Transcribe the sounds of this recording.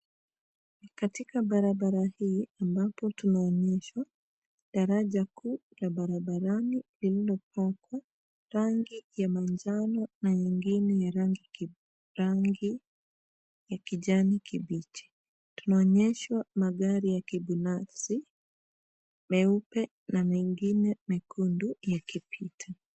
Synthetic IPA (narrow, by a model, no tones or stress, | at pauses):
katikabaɾabaɾahiːambapɔtunaɔɲɛʃwa | daɾaʄakuːlabaɾabaɾanilililɔpɔkwa | ɾaŋɡijamaɲd͡ʒanɔnaɲiŋɡinɛjaɾaŋɡi | ɾaŋɡi | jakiɟanikʰibit͡ʃi̥ | tu̥naɔɲɛʃwamaɡaɾijakibinafsi | mɛupɛ | namiŋɡinɛmikʰundujakipʰitʰa